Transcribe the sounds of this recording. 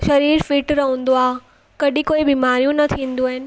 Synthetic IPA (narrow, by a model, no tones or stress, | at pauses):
ʃɐɾiːɾfiːʈɾɐɦũn̆d̪oaːɦe | kɐɗʱĩkoːibiːmaːɾijũnɐt̪ʰĩːn̆d̪uaːɦɪnɪ̆